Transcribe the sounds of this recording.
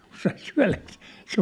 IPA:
kun sɑi syæ̝lækse̥ː se

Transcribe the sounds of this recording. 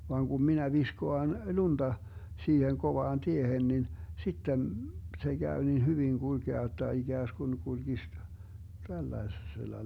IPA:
ʋɑːŋ ɡ̊um minæ ʋiskoɑn lund̥ɑ siːheŋ koʋɑːn tiehen nin sitːen se ɡ̊æy nin hyʋiŋ ɡ̊ulɡ̊eɑ jotˑɑ iɡ̊æːsɡ̊un kulɡ̊is tælːɑeselːɑ

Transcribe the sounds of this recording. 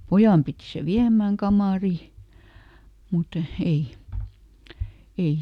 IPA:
pojɑˑm piti se ʋiæmːæːŋ kɑmɑˑri mut ei ei

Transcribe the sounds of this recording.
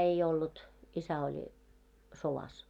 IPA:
ei olːut isæ olʲ soʋɑs

